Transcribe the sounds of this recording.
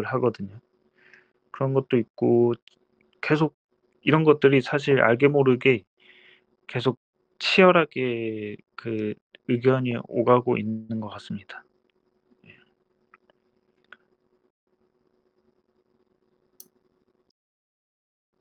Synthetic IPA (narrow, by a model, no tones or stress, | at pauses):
ɯɭɦaɡʌdɯɲo | kɯɾʌnɡʌt̚t͈oik̚k͈o | ke̞sʰoɡ̚ | iɾʌnɡʌt̚t͈ɯɾisʰaɕ̬ʰiɾa̰ɭɡe̞moɾɯɡe̞ | ke̞sʰok̚ | t͡ɕʰijʌɾɦaɡe̞ | kɯ | ɯɡjʌɲio̰ɡaɡoʔinːɯnɡʌk͈as͈ɯmɲid̥ḁ | je